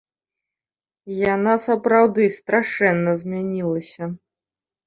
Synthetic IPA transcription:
janasɐpɾawd̪ɨst̪ɾaʂɛnːɐzʲmʲanʲilˠɐsʲɐ

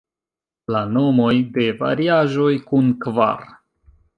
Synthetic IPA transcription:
lano̞mo̞jde̞va̰ɾiaʒo̞jkunkva̰ɾ

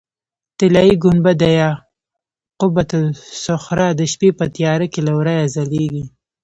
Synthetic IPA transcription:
t̪ɪlɑjiɡʊnbad̪ajɑ | qʊbat̪ʊsʊxɾɑd̪əʃpepət̪ijɑɾəkelawɾajazaleɡi

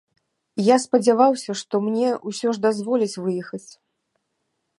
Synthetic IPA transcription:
jaspɐd͡zʲavawsʲɐʂt̪ɔmnʲɛusʲɔʐd̪azvɔlʲit͡sʲvɨjɛxɐt͡sʲ

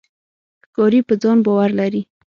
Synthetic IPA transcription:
kɑɾipəd͡zɑnbɑwaɾlaɾi

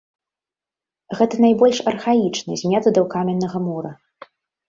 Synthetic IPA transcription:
ɣɛt̪ɐnajbɔlʲʂɐrxait͡ʂnɐzʲmʲat̪ɐd̪ɐwkamʲɛnːɐɣɐmɔɾɐ

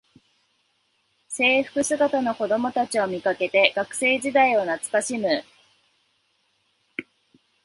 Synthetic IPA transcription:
se̞ːɸɯ̟̥kɯ̟sɨɡat̪ano̞ko̞d̪o̞mo̞t̪at͡ɕio̞mʲikake̞t̪e̞ɡ̥akɯ̟̥se̞ːʑid̪aio̞nat͡sɨ̥kaɕimɯ̟

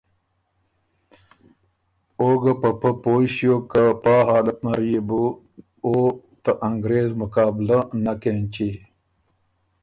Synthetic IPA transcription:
oːɡɐpɐpəpoːɕjoːkapaːɦaːlɐt̪̚naɾijebu | o | t̪ɐʔɐŋɡɾeːzmʊkaːblanɐkent͡ɕi

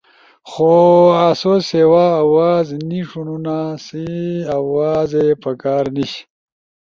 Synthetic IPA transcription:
xoasosewaːwazniʂununasiawaːzepɐkaːɾniɕ

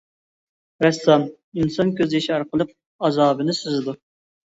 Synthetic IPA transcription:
ɾɛsɑm | insɑnkʲʰøzɪʃɑɾqəlˠəq̚ | ɑzɑːbɨnɨsyzɪd̪u

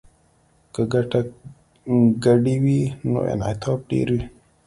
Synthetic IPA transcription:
kəɡaʈa | ɡaɖiwino̰ʔḛna̰jt̪ʰaːp̚ɖḛːɾwi

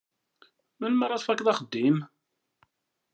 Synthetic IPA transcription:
mænməɾˤɑθfækðˤɑχəd̪ːim

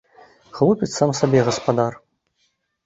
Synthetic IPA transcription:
ɣlˠupʲɪt̪samsabʲɛɣɐspad̪ar

